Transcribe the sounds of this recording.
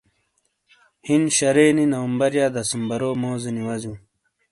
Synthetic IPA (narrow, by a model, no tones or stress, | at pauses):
hinɕɐɾeːninɐwɐmbɐɾjaːd̪ɐsumbɐɾoːmoːzeniwɐzũː